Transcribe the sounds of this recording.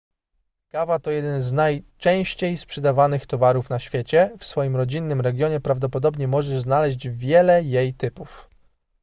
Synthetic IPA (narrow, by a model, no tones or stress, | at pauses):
kavat̪ɔjɛd̪ɛnznajt͡ʂɛ̃w̃ɕt͡ɕejspʂɛd̪avanɘxt̪ɔvaɾufn̪aɕfʲjɛt͡ɕɛfsfɔjimɾɔd͡ʑinːɘmɾɛɡʲjɔɲɛpɾavd̪ɔpɔd̪ɔbɲɛmɔʐɛʐznalɛʑd͡ʑvʲjɛlɛjejt̪ɘpuf